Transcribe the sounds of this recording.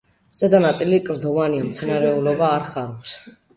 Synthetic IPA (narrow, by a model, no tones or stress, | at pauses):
z̥ɛd̪anat̪sʼilikʼɾd̪ɔvaniamt̪sʰɛnaɾɛulɔbaːɾχaɾɔps